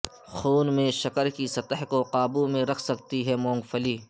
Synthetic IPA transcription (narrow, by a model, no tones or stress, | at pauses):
xuːnmẽʃɐkəɾkisɐt̪əɦkoqaːbumẽɾɐkʰsɐkt̪iɦɛmõːŋɡfʰəliː